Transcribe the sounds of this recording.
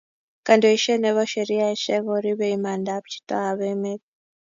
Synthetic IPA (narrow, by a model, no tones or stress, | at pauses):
kandioiʃeneβoʃeɾiaiʃeβoɾiβeimandaβu̥t͡ʃi̥taaβemet